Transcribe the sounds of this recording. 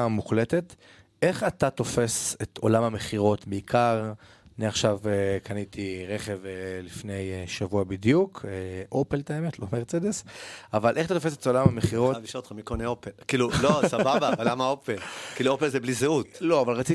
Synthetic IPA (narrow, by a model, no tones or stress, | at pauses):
muχle̞t̪e̞t̪ | ʔe̞χat̪at̪o̞fe̞set̪olamameχiʁo̞tbeikʰaʁ | aniaχʃavekanitʰiʁe̞χe̞velifne̞jʃavuabid̪jukʰeʔo̞pelt̪aemet̪lomeʁt͡sed̪esavalʔeχat̪atofeset̪olamameχiʁoviʃot̪χamikoneopelkiːlulosababaːvalːamaopelkiːluopelzeblizeut̪lo̞avalʁat͡si